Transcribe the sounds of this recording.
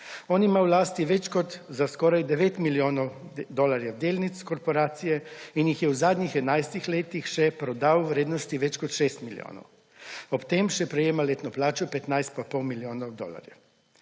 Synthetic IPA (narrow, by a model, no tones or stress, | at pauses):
ɔːnimawlaːst̪iʋɛt͡ʃkɔt̪zaskɔːɾajd̪ɛʋeːt̪miljoːnɔwd̪ɔlaɾjawd̪eːlnit̪skɔɾpɔɾaːt̪sijɛinjixjɛwzaːd̪ɲixɛd̪najst̪ixleːt̪ixʃɛpɾɔd̪awʋɾeːd̪nɔst̪iʋɛt͡ʃkɔt̪ʃeːst̪milj̰o̰ːnɔ̰w | ɔpt̪emʃɛpɾɛjeːmaleːt̪nɔplaːt͡ʃɔpɛt̪najst̪̚papɔwmiljoːnɔwd̪o̰ːla̰ɾja̰